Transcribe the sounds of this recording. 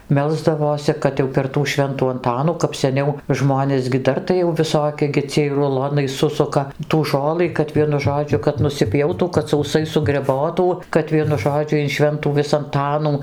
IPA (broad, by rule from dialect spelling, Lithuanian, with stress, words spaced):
ˈmʲɛlˠzdɐʋoːsʲɪ ˈkɐt jɛʊ pʲɛr tuː ˈʃʲʋʲɛntuː ɐnˈtɑːnuː kɐp sʲɛˈnʲɛʊ ˈʒmoːnʲeːs ɡʲɪ ˈdɐr tɐɪ jɛʊ ʋʲɪˈsoːkʲɪ ɡʲɪ ˈt͡sʲiɛj rʊˈlˠoːnɐɪ ˈsʊsʊkɐ tuː ˈʒoːlˠɨ kɐt ˈʋʲiɛnʊ ˈʒoːd͡ʒʲʊ kɐt nʊsʲɪˈpʲjɛʊtuː kɐt sɐʊˈsɐɪ sʊɡrʲɛˈboːtuː kɐt ˈʋʲiɛnʊ ˈʒoːd͡ʒʲʊ ɪn ˈʃʲʋʲɛntuː ˈʋʲɪs ɐnˈtɑːnuː